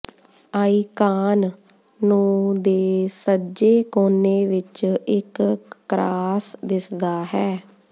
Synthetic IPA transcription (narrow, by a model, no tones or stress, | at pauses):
aːiːkaːnː | ũːd̪eːsəd͡ʒeːkoːneːʋɪt͡ʃɪkːɾaːsd̪ɪsd̪aːɦɛː